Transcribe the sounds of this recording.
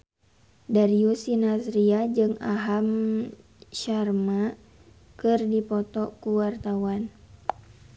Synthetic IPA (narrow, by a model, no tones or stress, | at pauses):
daɾiusinasɾiad͡ʒɨŋaɦam | ʃarma | kɨrdipɔt̪ɔkuwart̪awan